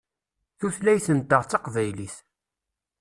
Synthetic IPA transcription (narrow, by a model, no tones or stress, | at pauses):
θuθlæjθənt̪ːəʁt͡sːɑqvæjliθ